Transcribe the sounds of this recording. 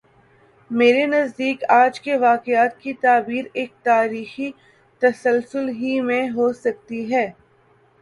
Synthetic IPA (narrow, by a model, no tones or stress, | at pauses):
meːɾenɐzd̪iːkaːd͡ʒkeʋaːqɪaːt̪̚kit̪aːbiːɾeːk̚t̪aːɾiːxi | t̪ɐsəlsʊlɦimẽɦosɐk̚t̪iɦɛː